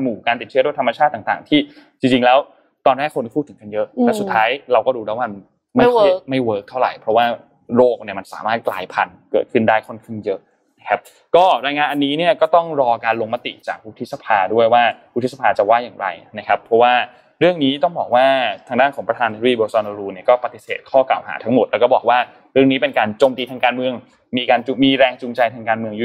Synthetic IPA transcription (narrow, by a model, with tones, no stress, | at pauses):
muː˨˩kaː˧nt̪i˨˩t͡ɕɯ˦˥du˥˩ə˩t̪ʰa˧mːa˧t͡ɕʰaː˥˩t̪ːa˨˩ŋt̪aː˨˩ŋt̪ʰiː˥˩t͡ɕi˧ŋt͡ɕi˧ŋlɛː˦˥w | t̪ɔː˧nɾɛː˥˩kʰːo˧nkpʰuː˥˩t̪ʰɯ˩˦ŋka˧njɤ˦˥ʔ̪ɛː˨˩˥su˨˩t̪ʰːaː˦˥jɾa˧wkɔː˥˩duː˧lɛː˦˥wma˧n | ma˥˩jma˥˩jwɤː˦˥k̚t̪ʰa˥˩wɾa̰˨˩jpʰɾɔ˦˥waː˥˩ | ɾoː˥˩k̚ni˥˩ɐma˧nsa̰ː˩˦maː˥˩t̪̚klaː˧jpʰa˧n | kɤ̰ː˨˩t̪̚kʰɯ˥˩ndaː˥˩jkʰo˥˩nkʰɯ˥˩ŋjɤ˦˥ʔ | na˦˥kʰa˦˥p̚ | kɔː˥˩ɾaː˧jŋaː˧nʔa˧nːiː˦˥ni˥˩ɐkɔː˥˩t̪ɔ˥˩ŋɾɔː˧kaː˧nloː˧ŋma˦˥t̪ḭ˨˩ʔt͡ɕaː˨˩k̚pu˦˥t̪ʰi˦˥t̪̚sa˧pʰaː˧du˥˩əjwaː˥˩pʰu˦˥t̪̚ʰsa˨˩pʰaː˧t͡ɕa˨˩waː˥˩jaː˨˩ŋɾa̰˧jna˦˥kʰa˦˥pʰɾɔ˦˥waː˥˩ | ɾɯ˥˩əŋniː˦˥t̪ɔ˥˩ŋbɔː˨˩k̚waː˥˩t̪ʰaː˧ŋdaː˥˩nkʰɔː˩˦ŋpɾa˧aː˧na˧i˦biː˧boː˧sɔː˧noː˧ɾuː˧ni˦˥˩kɔː˥˩pa˨˩t̪i˨˩sḛː˨˩t̪̚kʰɔː˥˩ka̰ː˨˩wha̰ː˩˦t̪ʰa˦ŋmo˨˩t̪̚lɛː˦˥wkɔː˥˩bɔː˨˩k̚waː˥˩ | ɾɯ˥˩əŋniː˦˥pe˧nkaː˧nt͡ɕoː˧mt̪iː˧t̪ʰaː˧ŋkaː˧nmɯ˧əŋ | miː˧kaː˧nt͡ɕu˧miː˧ɾɛː˧ŋt͡ɕu˧ŋt͡ɕa˧jt̪ʰaː˧ŋkaː˧nmɯ˧əŋju˧˦˥